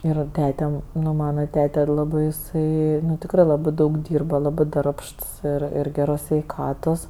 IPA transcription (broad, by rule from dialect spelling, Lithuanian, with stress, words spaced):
ɪr ˈtʲæːtʲɛ ˈnʊ ˈmɑːnɐ ˈtʲæːtʲɛ ˈlˠɑːbɜ ɪˈsɐɪ tʲɪkˈrɜ ˈlˠɑːbɜ ˈdɐʊk ˈdʲiːrbɐ ˈlˠɑːbɜ ˈdɐrpʃts ˈɪr ɪr ˈɡʲæːroːs sʲʋʲɛɪˈkɑːtoːs